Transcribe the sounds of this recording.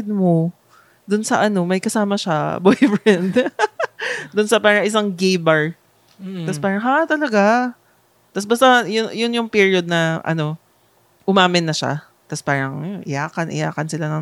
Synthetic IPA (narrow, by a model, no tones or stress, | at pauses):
d̪̚mo | d̪ʊnsɐ̰ʔɐno̞mɐjkɐsaːmɐʃabojfɹɛnd̪ | d̪ʊnsɐpaːɾɐŋʔɪs̬aŋɡejbɐɹ | ɐspaːɾɐŋɦat̪ɐlɐɡa | t̪ɐsbɐst̪ajʊjʊnjʊŋpiɹɪod̪̚nɐʔɐ̰no̞ | ʔʊmaːmɪnːɐʃa̰ | t̪ɐspaːɾɐŋʔɪ̰jaːkɐnʔɪ̰jaːkɐnsɪlanɐŋ